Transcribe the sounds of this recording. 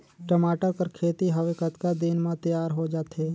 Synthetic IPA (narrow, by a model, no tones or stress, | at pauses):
ʈəmaːʈəɾkəɾkʰeːt̪iɦɐʋekət̪kad̪ɪnmãt̪əjaːɾɦod͡ʒaːt̪eː